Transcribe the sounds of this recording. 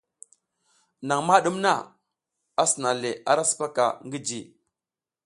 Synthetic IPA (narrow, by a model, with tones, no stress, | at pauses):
na˨ŋma˦ɗu˦mna˦˨ | a˦si˨na˨le˨ʔa˦ɾa˦su̥˨pa˦ka̰˨ŋɡi˦d͡ʒi˨